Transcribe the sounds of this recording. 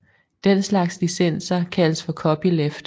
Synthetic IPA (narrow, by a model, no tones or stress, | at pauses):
d̥enslɑ̈ɡ̥sd̥isen̰sɐkʰæləsfɒ̽kʰɒ̽b̥ilefd̥